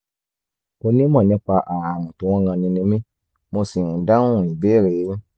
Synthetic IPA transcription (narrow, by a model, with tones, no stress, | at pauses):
o˧nĩ˦mɔ̃˦˨nĩ˨˦k͡pa˧ʔa˨a˨mũ˨tu˨˦w̃ɔ̃˦ɡã˧nĩ˧nĩ˧mĩ˦ | mo˧si˨ũ˨dã˦ũ˦˨i˨bɛː˦˨ɾe˨˦